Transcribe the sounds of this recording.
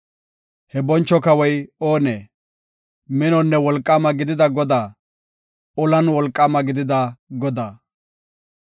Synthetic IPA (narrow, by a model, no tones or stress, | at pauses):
hɛbɔnt͡ʃːɔkɐwɔjoːneː | mɪnɔnːɛwɔlkʼːamɐɡɪd̪ɪd̪ɐɡɔd̪aː | ɔlɐnwɔlkʼːaːmɐɡɪd̪ɪd̪ɐɡɔd̪aː